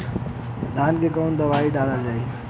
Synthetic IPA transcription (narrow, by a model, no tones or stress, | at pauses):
d̪ʱaːnkʰekoːnd̪ɐʋaːiɖaːlad͡ʒaːiː